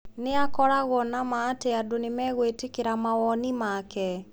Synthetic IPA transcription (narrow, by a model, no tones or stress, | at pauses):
neakɔɾaɣɔnamaːteadonemɛɣwetekeɾamawɔnimakɛ